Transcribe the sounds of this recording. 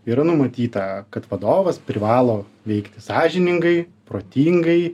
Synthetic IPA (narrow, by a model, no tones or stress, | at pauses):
iːɾɐnʊmɐt̪ʲiːt̪ɐkɐt̪ʋɐd̪oːʋɐspʲɾʲɪʋɑːlˠoː | ʋʲɛɪkt̪ʲɪ̥sɑːʒʲɪnʲɪŋɡɐɪpɾoːt̪ʲiːŋɡɐɪ